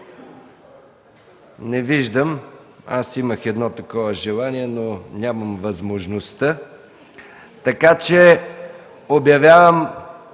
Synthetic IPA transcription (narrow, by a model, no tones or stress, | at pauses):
nɛviʒd̪əm | a̰siməxɛd̪nɔt̪ɐkɔvəʒɛlˠaniɛnonʲaməmvɐzmoʒnost̪ə | t̪ɐkat͡ʃɛ | objɐvʲjavəm